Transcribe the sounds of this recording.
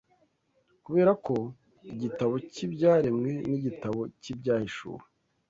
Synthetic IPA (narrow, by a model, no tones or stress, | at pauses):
kuβe̞ːɾako̞ | iɟitaβo̞cibɟaːɾe̞mŋe̞niɟitaβo̞cibɟaːhiʃṵːɾe